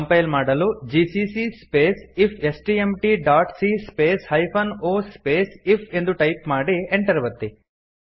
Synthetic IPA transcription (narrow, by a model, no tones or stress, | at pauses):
ɐmpɐjlmaːɽɐlud͡ʒisisispeːsipʰesʈiemʈiːɖaːʈsiːspeːshɐjpʰɐnoːspeːsipʰe̞nd̪uʈɐjpmaːɽieɳʈɐɾɐʋɐt̪ːi